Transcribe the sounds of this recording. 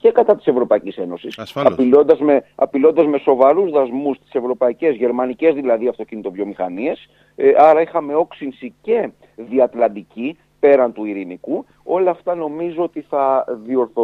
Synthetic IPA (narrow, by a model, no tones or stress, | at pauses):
ce̞kɐt̪ɐt̪i̥se̞vɾo̞pɐicise̞no̞sisɐpilond̪ɐzme̞ɐpilo̞nd̪ɐzme̞so̞vɐɾuzðɐzmust̪i̥se̞vɾo̞pɐice̞zʝe̞ɾmɐnice̞zðilɐðiɐft̪o̞cinit̪o̞vʝo̞mixɐnie̞s | ɐɾɐixɐme̞o̞ksinsice̞ | ðiɐt̪lɐnd̪ici | pe̞ɾɐnt̪uiɾiniku | o̞lɐːft̪ɐno̞mizoot̪iθɐðio̞ɾθo